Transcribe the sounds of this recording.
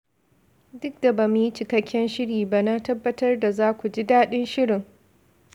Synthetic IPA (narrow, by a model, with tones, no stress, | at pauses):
dʊ˦k̚da˨ba˨mu˨ji˦t͡ʃɪ˨kɐ˦kʲːɛ˦nʃɪ˦ɽiː˨ba˦na˦tɐ˦bːɐ˦tɐ˦rda˨zaː˦kʷu˨d͡ʒi˦daː˦ɗɪ˦nʃɪ˦ɽɪ˨ŋ